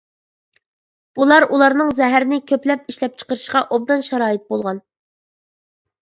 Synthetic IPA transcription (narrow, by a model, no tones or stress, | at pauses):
ulˠɑɾulˠɑɾnɨŋzɛɦæɾɪnɪkʲʰøplɛp̚iʃlɛp̚t͡ʃʰə̥qəɾɨʃqɑʔob̚d̪ɑnʃɛɾɑːjit̪̚bolˠʁɑn